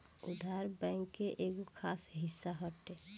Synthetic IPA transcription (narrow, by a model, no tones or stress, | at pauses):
ʊ̰d̪ʱaːɾbɛ̃ːŋkːeʔeːɡokʰaːsɦɪsːaɦɔʈe